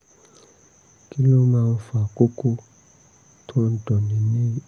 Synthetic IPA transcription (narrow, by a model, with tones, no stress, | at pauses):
ki˦lo˦mãː˧n̩˦fa˨ko˦ko˦ | tʰo˦n̩˦dɔ˨nĩ˨nĩ˦